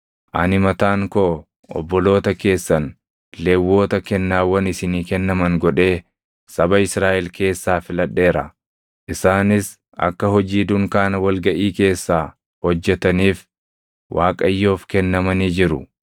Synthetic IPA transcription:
ʔɐnɪmɐt̪aːŋkoː | ʔɔ̰bːɔlo̞ːt̪ɐke̞ːsːɐn | leːwːo̞ːt̪ɐkɛnːaːwɐnɪsɪniːkɛnːɐmɐŋɡɔᶑe̞ː | sɐbɐɪsɾaːʔɛlke̞ːsːaːfɪlɐᶑːe̞ːɾɐ | ʔɪsaːnɪs | ɐ̰kːɐhɔd͡ʒiːd̪ʊŋkaːnɐwɐlɡɐʔiːke̞ːsːaː | hɔd͡ʒːɛt̪ɐniːf | wʔaːkʼɐjːo̞ːfkɛnːɐmɐniːd͡ʒɪɾʊ

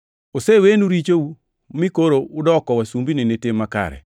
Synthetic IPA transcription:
osewenuɾit͡ʃou | mikoɾoʊdɔkɔwasumbinenetemaka̰ɾɛ̰

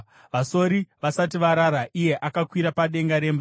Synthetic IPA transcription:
ʋaso̞ɾiʋasat̬iʋaɾaɾaʔije̞ʔakakwiɾapaɗe̞ŋɡaɾe̞mba

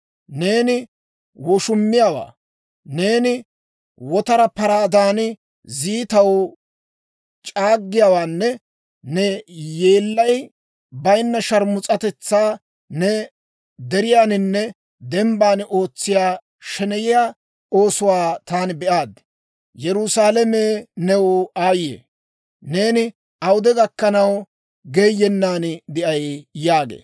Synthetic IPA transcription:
ne̞ːnɪ | wɔʃʊmːɪjaːwa̰ː | ne̞ːnɪ | wɔt̪ɐɾɐpɐɾaːd̪aːnɪ | ziːt̪ɐw | t͡ʃʼaːɡːɪjaːwaːnːɛ | nɛjeːlːɐj | bɐjnːɐʃɐɾmʊt͡sʼɐt̪ɛt͡sːaː | nɛ | d̪ɛɾɪjaːnɪnːɛ | d̪ɛmbaːno̞ːt͡sːɪjaː | ʃɛnɛjɪjaː | oːsʊwaːt̪aːnɪbɛʔaːd̪ | jɛɾʊsaːlɛmeːnɛwaːjḛː | ne̞ːnɪ | ɐwʊd̪ɛɡɐkːɐnɐw | ɡeːjːɛnːaːnd̪ɪʔɐjjaːɡḛː

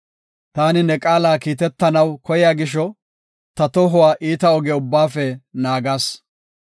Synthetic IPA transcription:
t̪aːnɪnɛkʼaːlaːkiːt̪ɛt̪ːɐnɐwkɔjɪjaːɡɪʃ̬ɔ | t̪ɐt̪ɔɦʊwaːʔiːt̪ɐɔɡɛʊbːaːfɛnaːɡaːs

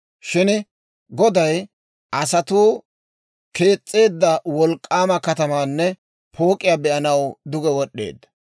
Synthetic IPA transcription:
ʃɪn | ɡɔd̪ɐj | ʔɐsɐt̪uː | ke̞ːt͡sʼːe̞ːd̪ːɐwɔlkʼːaːmɐkɐt̪ɐmaːnːɛ | pʰo̞ːkʼːɪjabɛʔɐnɐwd̪ʊɡɛwɔɗːe̞̰ːd̪ːɐ̥

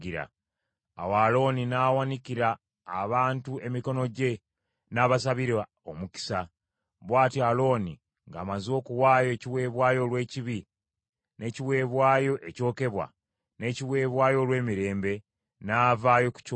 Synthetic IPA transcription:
iɾa̰ | a̰waːlo̞ninawaniciɾaː | βaːntue̞miko̞no̞ɟe̞ | naːβasaβiɾ | omuki̥sa | βwaːtialo̞ːni | ŋɡa̰ːmazo̞ːkuwaːjo̞ciwe̞ːβwaːjo̞lwe̞ːciβi | ne̞ːciwe̞ːβwaːjo̞ʔe̞co̞ːke̞βwa̰ | ne̞ːciwe̞ːβwaːjo̞lwe̞ːmiɾe̞ːmbe̞ | naːvaːjo̞ku̥c

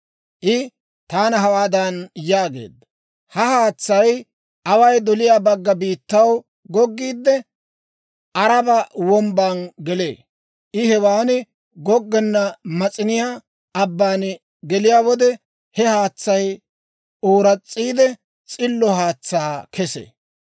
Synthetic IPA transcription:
ʔɪ | t̪aːnɐɦɐwaːd̪ɐnjaːɡe̞̰ːd̪ːɐ | hɐhaːt͡sːɐj | ɐwɐjd̪ɔlɪjaːbɐɡːɐbiːt̪ːɐw | ɡɔɡːiːd̪ːɛ | ʔɐɾɐbɐwɔmbaːnɡɛlḛː | ɪhɛwaːnɪ | ɡɔɡːɛnːɐmɐt͡sʼɪnɪja | ɐbːaːn | ɡɛlɪjaːwɔd̪ɛ | hɛhaːt͡sːɐj | oːɾɐt͡sʼːiːd̪ɛ | t͡sʼɪlːɔhaːt͡sːaːkɛsḛː

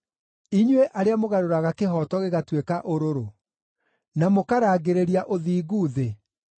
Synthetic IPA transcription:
iɲweʔaɾeamoɣaɾoɾaɣakeɦɔtɔɣeɣatwekaʔoɾoɾo | namokaɾaːɣeɾeɾiaʔoðiːɣuːðe

